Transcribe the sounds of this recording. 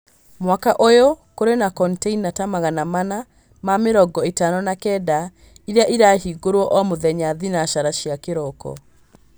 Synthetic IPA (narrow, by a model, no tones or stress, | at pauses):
mwakaʔojokoɾenakɔnteinatamaɣanamana | mameɾɔɡɔetanɔnakɛda | iɾeaʔiɾahiɡoɾwɔʔɔmoðɛɲaðinaʃaɾaʃiakeɾɔkɔ̰